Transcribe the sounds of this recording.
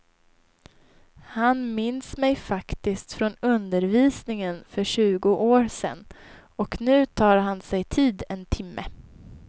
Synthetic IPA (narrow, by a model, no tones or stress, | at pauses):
hanmɪnsmɛjfakt̪ɪskt̪fɾɔnɵnd̪əɾviːsnɪŋənfœɕʉ̟ːɡʊʔoːɾsɛ̰nː | ɔknʉ̟ːt̪ʰɑːɾɦansɛjt̪ʰiːd̪ɛnt̪ʰɪmːə